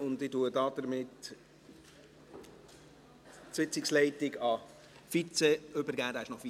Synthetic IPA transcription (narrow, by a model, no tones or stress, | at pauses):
ʊndɪtuədɑːdəɾmɪt | sɪt͡sɪkslɛɪtɪɡɑ | fit͡seøbəɾɡæːd̪æɪʃnɔfi